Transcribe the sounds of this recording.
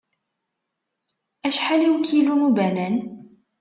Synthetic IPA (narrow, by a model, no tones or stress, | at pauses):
ʔæʃħaliwkʰilumubænæn